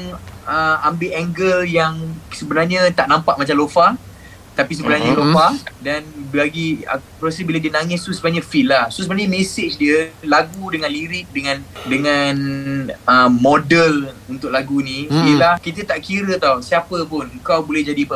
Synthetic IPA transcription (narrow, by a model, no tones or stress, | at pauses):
ŋəambɪɛŋɡəljaŋsəbənarɲət̪aʔnãmpaʔmat͡ʃamlofa | t̪apis̬əbənaɲaəlofadanbaɡiə̰pɾosəbilədiənaŋɪst̪usəbənaɲəfilahsosəbənaɲəmɛsɪt͡ʃdiəlaɡudəŋãnliɾɪk̚dəŋãndəŋan | əmodəlunt̪ʊʔ̚laɡunĩiəlahkit̪ət̪aʔkiɾət̪awsiapəp̬ʊnəkawbulɛhd͡ʒadipə